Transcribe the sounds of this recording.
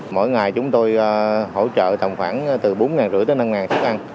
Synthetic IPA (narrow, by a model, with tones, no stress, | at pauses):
mo̰ː˧˥˨jŋaː˨˩jt͡ɕʊ˨˦ŋ͡mt̪o˧jho̰˧˥t͡ɕə̰ː˧˨t̪ə˨˩ŋ͡mxwaː˧˩n˧t̪ɨ˨˩ɓo˨˦nŋaː˨˩nzɨ̰˧˥t̪əː˨˦na˧mŋaː˨˩nsa˦˥k̚ʔa˧n